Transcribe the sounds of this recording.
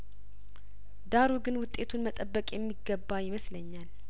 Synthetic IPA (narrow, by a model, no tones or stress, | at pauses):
d̪aɾuɡɨnwʊt̪ʼːe̞t̪ʰunmət̪ʼəbːəkʼjɛmːiɡːəbːajɪməsləɲːal